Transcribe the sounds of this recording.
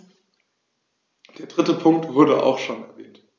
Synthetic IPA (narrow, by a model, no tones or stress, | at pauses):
d̥eːɐdʁɪtəpʰʊŋk̚tv̥ʊɐɾə̰ʔa̰ʊxʃoːnɛɐvɛːnt